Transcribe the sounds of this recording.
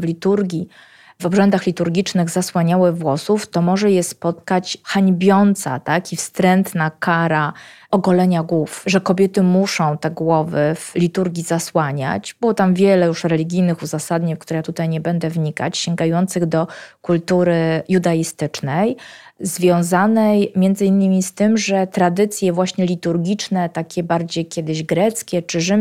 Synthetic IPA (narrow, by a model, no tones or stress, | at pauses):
vlʲit̪uɾɡʲi | vɔbʐɛnd̪axlʲit̪uɾɡʲit͡ʂnɘɣzaswaɲawɘvwɔsuft̪ɔmɔʐɛjɛspɔt̪kat͡ɕxaɲbʲjɔnt̪sa̰t̪akifst̪ɾɛnt̪nakaɾa | ɔɡɔlɛɲaɡwufʐɛkɔbʲjɛt̪ɘmuʂɔ̃w̃t̪ɛɡwɔvɘvlʲit̪uɾɡʲizaswaɲa̰t͡ɕbɨɔwɔt̪amvʲjɛlɛjuʂɾɛlʲiɡʲijnɘxuzasad̪ɲikt̪uɾɛjat̪ut̪ajɲɛbɛnd̪ɛvɲika̰t͡ɕɕɛŋɡajɔnt̪sɘɣd̪ɔkult̪uɾɘjud̪aist̪ɘt͡ʂnɛj | zvʲjɔ̃w̃zanɛjmʲjɛnd̪zɘinːɘmʲist̪ɘmʐɛt̪ɾad̪ɘt̪sʲjɛvwaɕɲɛlʲit̪uɾɡʲit͡ʂnɛt̪akʲɛbaɾd͡ʑejkʲɛd̪ɘʑɡɾɛt̪skʲɛt͡ʂɘʐɘ